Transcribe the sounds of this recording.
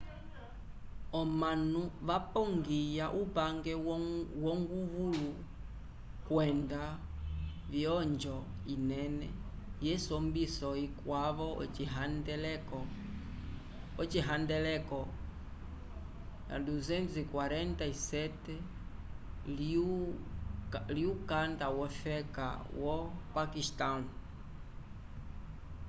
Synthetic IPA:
ɔmanuʋapɔŋɡijaʔupaŋɡɛwɔŋɡuβulu | kwɛnda | vjɔɲd͡ʒɔ | inɛnɛ | jɛsɔmbisɔikwaβɔɦandɛlɛkɔ | ɔt͡ʃiɦandɛlɛkɔ | na̰duzɛnzikwaɾɛntaisɛtɛ | l | liukandawɔfɛka̰wɔpakistan

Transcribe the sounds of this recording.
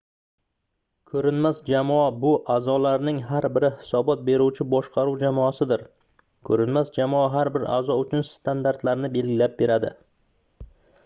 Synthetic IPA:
kʰɵɾɪnmasd͡ʒamɒabʊʔazɒlaɾnɪŋɦaɾbɪɾɪhɪ̥sɒbɒt̪̚be̞ɾuwt͡ʃʰɪbɒʃqɑɾuwd͡ʒamɒasɪd̪ɪɾ | kʰɵɾɪnmasd͡ʒamɒaɦaɾbɪɾʔa̰zɒʊt͡ʃʰʊnst̪ʰand̪aɾt̪laɾnɪbe̞lɡʲɪlap̚be̞ɾad̪ɪ̰

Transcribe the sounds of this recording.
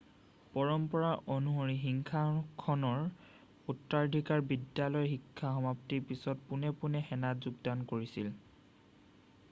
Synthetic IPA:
pɔɹɔmpɔɹaʔonuɦoɹixiŋkʰakʰɔnɔɹ | utːaɹdʱikaɹbidjalɔjxikʰːaxɔmaptiɹpisɔt̚punɛpunɛxɛnatzuɡdankoɹisil

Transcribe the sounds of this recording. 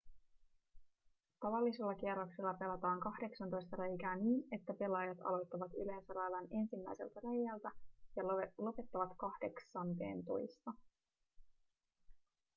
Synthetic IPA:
t̪ɑʋɑlːise̞lːɑk̟ieɾokse̞lːɑpe̞lːɑt̪ɑːŋkɑhde̞ksɑnt̪o̞jst̪ɑɾejkæːniːne̞t̪ːæpe̞lɑjɑt̪ɑ̰lo̞jt̪ːɑʋɑt̪y̰le̞ːnsælɑjlɑne̞nsimːæ̰jse̞̰lt̪ærejːælt̪æjɑlo̞pe̞t̪ːɑʋɑt̪kɑhde̞ksɑnt̪e̞̰ːnt̪o̞̰jst̪ɑ

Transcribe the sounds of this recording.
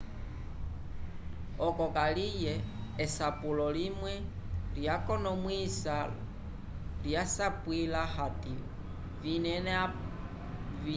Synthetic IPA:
ɔkɔkalijɛːsapulɔlimwɛlijakɔnɔmwisa | ljasapwilahati | vinɛn

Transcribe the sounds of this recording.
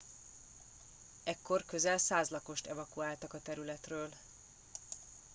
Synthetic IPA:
ɛkːo̞rkø̞zɛlsaːzlɒko̞ʃt̪ɛvɒkuaːlt̪ɒkɒt̪ɛɾylɛt̪røːl

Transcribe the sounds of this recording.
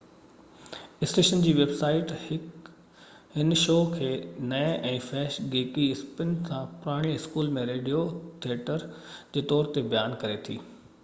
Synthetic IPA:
ɪsʈeːʃənd͡ʑiːʋeːbsaːɪʈɪ | hɪnʃoːkʰeːnɐɛʔɛ̃ːfɛːʃɡeːkiɪspɪnsãpʊɾaːɽ̃iɪskuːlmẽɾeːɖijot̪ʰieʈəɾd͡ʑeːt̪ɔːɾt̪ebɐjaːnkɐɾet̪ʰḭː

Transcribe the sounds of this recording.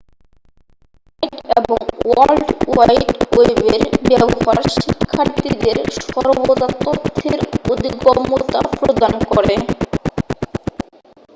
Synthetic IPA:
ajʈeboŋwalɖwajʈebeɾbɛbɦaɾʃikʰːaɾt̪id̪eɾʃɔɾbod̪at̪ːot̪ʰːeɾod̪iɡɔmut̪a̰pɾod̪ankɔɾe

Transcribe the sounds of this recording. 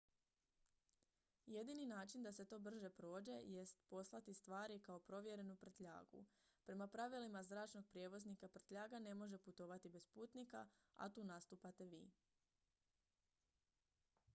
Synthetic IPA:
je̞d̪ininaːt͡ʃind̪ase̞t̪o̞ːbr̩ʒe̞pɾo̞ːd͡ʑe̞je̞st̪po̞slˠat̪ist̪ʋaːɾikao̞pɾo̞ʋje̞ɾe̞nupr̩t̪ʎa̰ːɡṵpɾe̞mapɾaʋilimazɾaːt͡ʃno̞ɡ̚pɾje̞ʋo̞znikaprt̪ʎʲaːɡane̞mo̞ʒe̞put̪o̞ʋat̪ibe̞spuːt̪nikaa̰t̪uːnast̪uːpat̪e̞ʋḭː

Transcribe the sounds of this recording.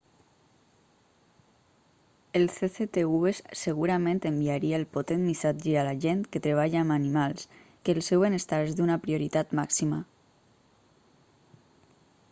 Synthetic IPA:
elθeθet̪euesseɣ̞uɾamẽnt̪embiaɾiaːlpot̪et̪misad͡ʒəalaʒent̪ket̪ɾeβ̞aʎaːmanimalˠskəːlˠsɛwβenest̪aɾezðd̪unapɾioɾit̪at̪maksima̰

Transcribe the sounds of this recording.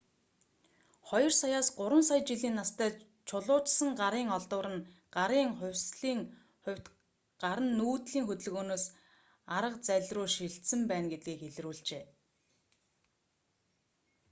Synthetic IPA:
χɔjɞ̆rsajaːsɢʊɾwə̆msajt͡ɕiɮiːnːast̪ʰæː | t͡ɕʰʊɮʊːt͡ɕsə̆ŋɢaɾiːŋɔɮt̪ʊːɾə̆nɢ̥aɾiːŋχʊ̟wʲsɮiːŋ | ʊwʲt̪ | ɢaɾə̆nːuːt̪ɮiːŋxɵt̪ɘ̆ɮɣoːnoːs | aɾə̆qt͡sæɮʲruːʃiɬt̪sɘ̆mpæːnɡet̪̚ɡiːkeɮruːɮt͡ɕeː

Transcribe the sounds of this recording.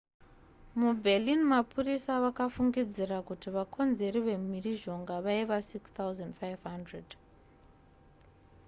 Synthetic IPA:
mubʱelinmapʰurisaʋakafuŋɡid͡zirakutiʋakʰo̞nze̞riʋe̞miriʒo̞ŋɡaʋaiʋasikst̪awzandfajvɦandred

